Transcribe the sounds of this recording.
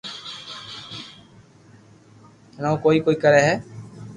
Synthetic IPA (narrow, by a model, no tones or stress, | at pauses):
nãõkoːiːkoːiːkəɾɛːɦɛː